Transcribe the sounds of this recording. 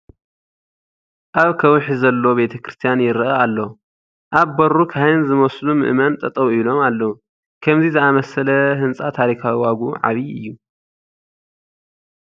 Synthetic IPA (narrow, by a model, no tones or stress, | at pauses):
ʔaβkʰɐwħizɐlːo̞be̞t̪ʰɐkɾɨst̪ʰijanjɪɾɨʔɐalːɐ | ʔaβbɐɾukʰaɨnzɨmɐslumɨ̰ʔmɐnt̪ʼɐt̪ʼɐwilo̞malːɐwu | kʰɐmzizɨamɐsɐlɐɦɨnsʼat̪ʰaɾikʰawiwaɡuʕa̰βiɨ̰jːu